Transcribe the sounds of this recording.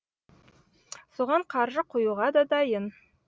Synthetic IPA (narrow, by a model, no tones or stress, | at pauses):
soʁɑɴqʰɑɾʒəqʰojuʁɑd̪ɑd̪ɑjən